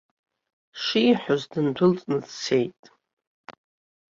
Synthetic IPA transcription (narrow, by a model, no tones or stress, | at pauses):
ʂiːħʷᶣʊzdɨndʷʊlt͡sʼnɨt͡st͡sʰejtʼ